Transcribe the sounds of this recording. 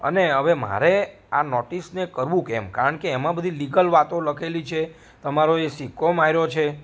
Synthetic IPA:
ə̰neɦəʋema̰ɾe | anɔʈisnekəɾʋũkɛ̰mkaɾəɳkeːmãbəd̪ʱiliɡəlʋat̪oləkʰelit͡ʃʰe | t̪əmaɾoesikʰomaɦiɾot͡ʃʰe

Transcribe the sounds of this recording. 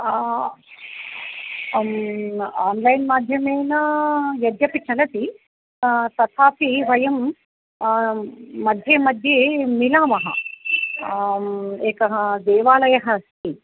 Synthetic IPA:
aːnlɐjnmaːd̪ʱjɐmeːnɐjɐd̪jɐpit͡ʃʰɐlɐt̪i | t̪ɐt̪ʰaːpʰiʋɐjɐm | ɐd̪ʱjeːmɐd̪ʱjeːmilaːmɐɦɐ̰ | eːkɐɦɐd̪eːʋaːlɐjɐɦɐst̪ʰi

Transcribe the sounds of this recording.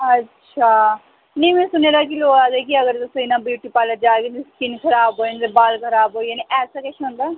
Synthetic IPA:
ɐtːʃʰaː | nɐimẽːsʊneːɾak̬iloːɡaːd̪ekiɐɡəɾd̪soinãbjuːʈipaːləd͡ʒaːɡet̪eskinkʰɐɾaːbɦoːent̪ebaːlkʰɐɾaːbɦoːjaniʔɛːsakɛːʃʰiɦõnd̪aː

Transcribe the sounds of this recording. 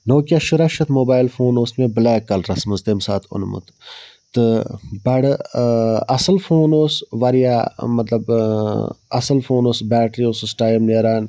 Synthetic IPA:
noːkjaʃʊɾɐʃɐt̪ʰmoːbaːjlfoːnoːsmẽbəlaːkːɐlɾɐsməzd̪emsaːt̪ʰʊ̰nmṵt̪ | t̪ɨbɐɽ | ɐsəlfʰoːnoːsʋɐɾjamɐt̪lɐb | ɐ̰səlfʰoːnoːsbɛːʈɾiosusʈaːjmneːɾaːn

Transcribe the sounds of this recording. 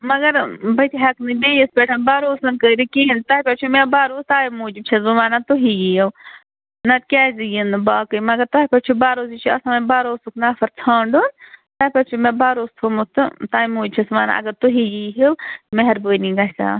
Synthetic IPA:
mɐɡɐɾbɐt̪ʰʲiɦɐknɨbeːjispʲeʈʰɐnbaːɾoːsɐnkəːɾikiɦint̪aːipʲɐt͡ʃʰumẽbaːɾoːst̪aːjmuːd͡ʒt͡ʃʰɐzuʋaːnat̪uɦijijɐw | nɐt̪̚kʲaːzijinɨbaːkɨjmɐɡɐɾt̪aːipʲɐt͡ʃʰubaːɾoːzit͡ʃʰuɐsãːɐbaːɾoːsuknaːfɐɾt͡sʰãːɳɖont̪aːpʲɐt͡ʃʰumẽbaːɾoːst̪ʰomut̪ɨt̪aːjmuːd͡ʒt͡ʃʲʰɐsʋaːna̰ɐ̰ɡɐɾt̪uɦijiːɦewmeɦɐɾbəːnĩɡɐsa̰ː

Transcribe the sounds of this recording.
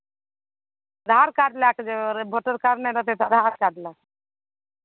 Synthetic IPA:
d̪ʱaɾkaɖ̪lakd͡ʒebʱəʈəɾkaɾneɾət̪ʰet̪ɔd̪ʱaɾkaɖ̪lak

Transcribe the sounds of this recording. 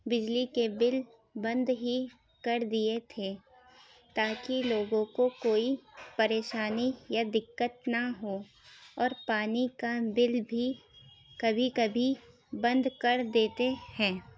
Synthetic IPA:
bɪd͡ʒlikebɪl | bɐ̃nd̪ɦi | kɐɾd̪iet̪ʰe | t̪aːkiloːɡõkokoːipɐɾeːʃaːnijad̪ɪkːət̪̚nɐɦo | ɔːɾpaːnikabɪlbʱi | kɐbʱikɐbʱi | bɐ̃nd̪kɐɾd̪eːt̪ehɛ̃ː

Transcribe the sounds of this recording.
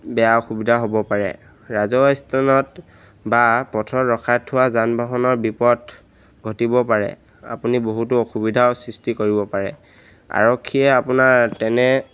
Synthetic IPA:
bɛjaoxubidʱaɦobɔpaɹɛ̰ | ɹazɔjstʰanɔt | bapɔtʰɔɹɔkʰatʰːʊwazanbʱaɦɔnɔɹbipɔd | ɡʱɔtibɔpaɹɛ̰ | a̰puniboɦutʊoxubidʱaʊsɹistikoɹibɔpaɹɛ̰ | a̰ɹɔkʰːiɛapunaɹtɛnɛ

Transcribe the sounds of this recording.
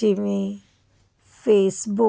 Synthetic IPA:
imi | feːsbu

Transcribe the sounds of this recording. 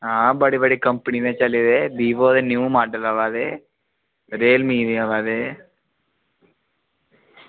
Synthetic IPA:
aːbɐɽibɐɽikɐmpɳinet͡ʃɐlːid̪ebiːʋoːd̪enjuːmaːɖɐlɐʋaːd̪e | ɾeːlmiːdiaʋaːd̪e

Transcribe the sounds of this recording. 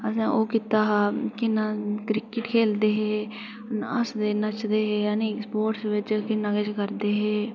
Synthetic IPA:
əsãːʔoːkɪt̪aːɦaːkɪnaːkɾɪkɪʈkʰeːld̪eːɦeː | ə̰sd̪eːnət͡ʃd̪eːɦeːəniːspoːʈsʋɪt͡ʃkɪnəɡəd͡ʒkəɾd̪eːɦeː

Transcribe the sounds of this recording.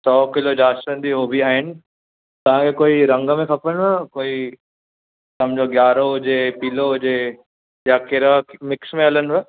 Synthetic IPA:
sɔːkɪlod͡ʒaːsʈə̃nd̪iɦoːbʱiaːɦɪnɪ | t̪ɐʋ̤ãkʰekoːiɾɐ̃ŋɡmẽkʰɐpənakoːi | sɐmd͡ʑoɡjaːɾoɦʊd͡ʒepiːloɦʊd͡ʒe | jakɪɾakmɪksmẽɐlənɛ

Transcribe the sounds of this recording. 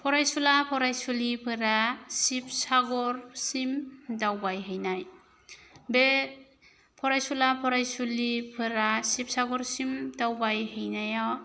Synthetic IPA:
pʰɔɾajsulapʰɔɾajsulipʰɯɾasip̚saɡɔɾsimdawbajɦɯjnaj | be | pʰɔɾajsulapʰɔɾajsulipʰɯɾasip̚saɡɔɾsimdawbajɦɯjnaja

